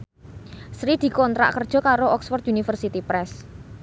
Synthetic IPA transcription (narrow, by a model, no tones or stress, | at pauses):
sɾid̪̥i̤kɔnt̪ɾa̰ʔkərd̥ʒ̥ɔ̤kaɾoʔɔksfɔrt̪̚unifərsit̪ipɾɛs